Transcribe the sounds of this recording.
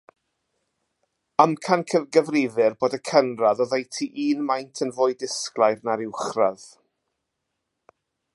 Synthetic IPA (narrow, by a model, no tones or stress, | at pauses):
əmkʰankʰəvɡəvrɪvɨrboːdəkʰənraðɔðejtʰiʔiːnmajntʰənvʊːɨdɪsklˠajrnaɾɪwχrað̥